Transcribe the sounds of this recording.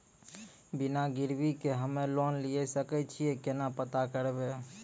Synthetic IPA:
bɪnaɡɪɾbikeɦəmelɔnliesəkɛt͡ʃʰiekenapət̪akəɾebeː

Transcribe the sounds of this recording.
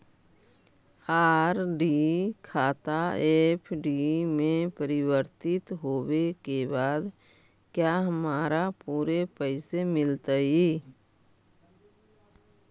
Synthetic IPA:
aːɾɖikʰaːt̪aepʰɖimẽpəɾɪwəɾt̪ɪt̪ɦoːwekebaːd̪ | kjaːɦəmaːɾapuːɾepəɪsemɪlt̪aɦiː

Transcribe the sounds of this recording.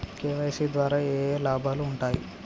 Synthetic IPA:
keːʋejsid̪ʋaːɾaːeːlaːbʱaːluːɳʈaːjḭ

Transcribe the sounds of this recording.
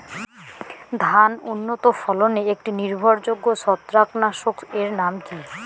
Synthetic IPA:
d̪ʱanunːot̪ofɔloneek̚ʈiniɾbʱoɾd͡ʑoɡːoʃɔt̪ːɾaknaʃokeɾnamki

